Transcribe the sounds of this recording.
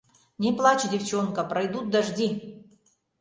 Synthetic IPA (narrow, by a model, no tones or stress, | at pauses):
nʲɪplˠat͡ɕdʲɪft͡ɕonkəpɾɐjd̪ut̪̚d̪ɐʐdʲi